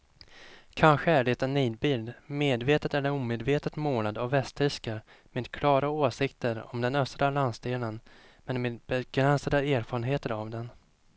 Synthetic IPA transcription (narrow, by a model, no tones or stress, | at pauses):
kʰanɧəæɖɛt̪ːanːiːd̪̚bɪld̪meːd̪veːt̪ət̪ɛlːəɾuːmeːd̪veːt̪ət̪moːlad̪ɔvɛst̪ɾɪskəɾ | meːd̪kʰlɑːɾaoːsɪkt̪əɾɔ̰md̪ɛnœst̪ɾalansd̪eːlən | mɛnmeːd̪̚bɛɡ̥ɾɛnsad̪əeːɾfɑːɾənɦeːt̪əɾavd̪ɛn